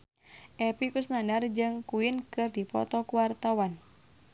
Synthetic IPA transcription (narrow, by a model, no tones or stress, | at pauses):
ʔɛpikusnandard͡ʒɨŋkuinkɨrdipɔ̰t̪ɔkuwart̪awan